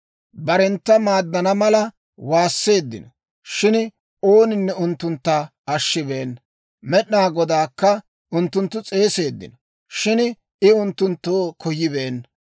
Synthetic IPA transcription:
bɐɾɛnt̪ːɐmaːd̪ːɐnɐmɐlɐ | waːsːe̞ːd̪ːɪ̰nɔ | ʃɪn | oːnɪnːɛʊnt̪ːʊnt̪ːɐ | ɐʃːɪbe̞ːn | mɛɗnaːɡɔd̪aːkːɐ | ʊnt̪ːʊnt̪ːʊt͡sʼe̞ːse̞ːd̪ːɪ̰nɔ | ʃɪn | ɪʊnt̪ːʊnt̪ːoːkʰɔjːɪbe̞ːn

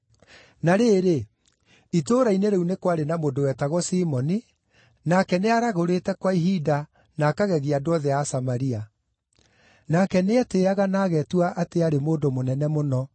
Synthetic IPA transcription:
naɾeɾe | itoːɾaineɾeunekwaɾenamondowɛtaɣɔsiːmɔni | nakɛneaɾaɣoɾetɛkwaiɦida | naːkaɣɛɣeadoɔðɛasamaɾia | nakɛneɛteːaɣanaɣɛtwaʔateaɾemoːdomonɛnɛmonɔ

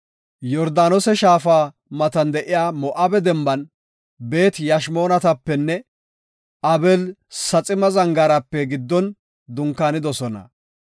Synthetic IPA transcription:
jɔɾd̪aːnɔsɛʃaːfaː | mɐt̪ɐnd̪ɛʔɪjaːmɔʔabɛd̪ɛmbɐn | be̞ːt̪jɐʃmo̞ːnɐt̪ɐpːɛnːɛ | ɐbɛlsɐt͡sʼɪmɐzɐŋɡaɾɐpːɛɡɪd̪ːɔn | d̪ʊŋkːaːnɪd̪ɔsɔnɐ̰

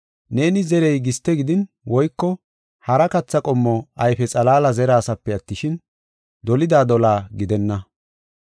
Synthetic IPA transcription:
ne̞ːnɪzɛɾɛjɡɪst̪ːɛɡɪd̪ɪn | wɔjkːɔ | hɐɾɐkɐt͡sːɐkʼɔmːɔɐjfɛt͡sʼɐlaːlɐzɛɾaːsɐpːɛɐt̪ːɪʃɪn | d̪ɔlɪd̪aːd̪ɔlaːɡɪd̪ɛnːɐ

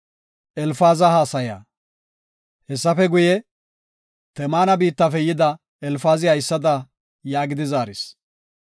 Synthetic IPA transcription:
ʔɛlfaːzɐhaːsɐja̰ː | hɛsːɐfɛɡʊjɛ | t̪ɛmaːnɐbiːt̪ːɐfɛjɪd̪ɐ | ɛlfaːzɪɐjɪsːɐd̪ɐ | jaːɡɪd̪ɪzaːɾɪs

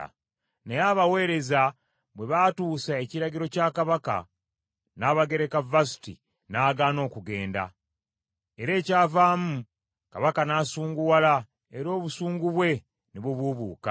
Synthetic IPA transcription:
nejaβawe̞ːɾe̞za | βwe̞βatuːsae̞ciɾaɡiɾo̞cakaβaka̰ | naːβaɡe̞ɾe̞kavasi̥tḭ | naːɡaːno̞ːkuɡe̞ːnda̰ | e̞ɾe̞ːcaːvaːmu | kaβakanaːsuːŋɡuwala | eɾo̞ːβusuːŋɡuβwe̞ | neβuβuβuːka̰

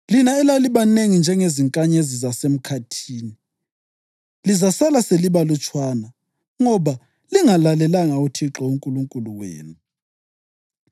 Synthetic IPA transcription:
linaɛlaliβaneŋind͡ʒʱɛŋeziŋkʼaɲezizasem̩kʰatʰiːni | lizasalaseliβalut͡ʃʰʼwaːna | ŋɔβa | liŋalalɛlaŋautʰiǁɔuŋkʼuluŋkʼuluwḛːnu

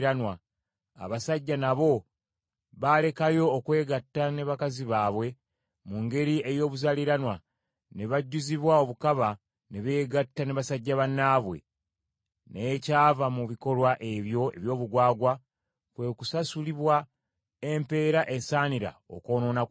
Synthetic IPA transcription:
ɾanwa | a̰βasaɟːanaβo̞ | βale̞kajo̞ːkwe̞ːɡatːane̞βakaziβaːβwe̞ | muŋɡe̞ɾie̞jo̞ːβuzaliɾanwa | ne̞βaɟːuziβwao̞βukaβa | ne̞βeːɡatːane̞βasaɟːaβanːaːβwe̞̰ | ne̞ːcaːvamuβiko̞lwaʔe̞βjo̞e̞̰βjo̞ːβuɡwaːɡwa | kweːkusasuliβwa | empe̞ːɾaʔe̞saːniɾa̰o̰ko̞ːno̞ːna

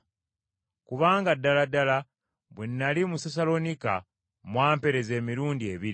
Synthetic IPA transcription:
kuβaːŋɡadːaladala | βwenːalimuses̬alo̞nika̰ | mwaːmpe̞ɾe̞ze̞ːmiɾuːndie̞βiɾi

